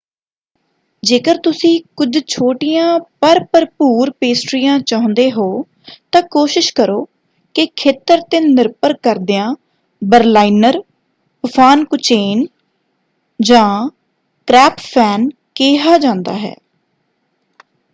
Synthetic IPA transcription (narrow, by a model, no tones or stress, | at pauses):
d͡ʒeːkəɾt̪ʊsĩːkʊd͡ʒt͡ʃʰoːʈijãːpəɾpəɾpuːɾpeːsʈɾijãːt͡ʃaːɦʊ̃nd̪eːɦoː | t̪ãːkoːʃɪʃkəɾoː | kɪkʰeːt̪əɾt̪eːnɪɾpəɾkəɾd̪eãː | bəɾlaːinəɾ | pəpʰaːnkʊt͡ʃeːn | d͡ʒãː | kɾɛːppʰɛːn | keːɦaːd͡ʒãːnd̪a̰ːɦɛ̰ː